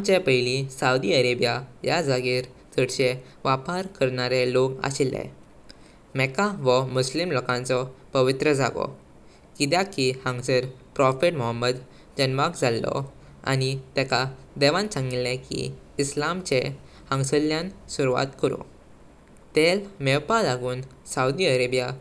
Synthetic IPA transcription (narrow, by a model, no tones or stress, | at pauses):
at͡ɕepəɦilisaud̪iəɾebjajad͡zaɡiːɾt̪ʰəɽɕe | ʋapaɾkəɾɳaɾeloka̰ɕilːɛ̰ | mɛkaʋəmuslimlɔkãnt͡sɔpəʋit̪ɾəd͡zaɡɔ̰ | kit̪̬jakihə̃ŋɡsəɾpɾɔfeʈmɔɦəmːəd̪ | d͡ʑənʋakd͡zʱalːɔ̰ | a̰nit̪ɛka | d̪ɛʋãnt͡sãŋɡilːɛ̃kḭːslamt͡ɕe | hə̃ŋsəljãnsuɾuʋa̰t̪kəɾṵ̃ | t̪elmɛʋpalaɡuːn | saud̪iəɾebja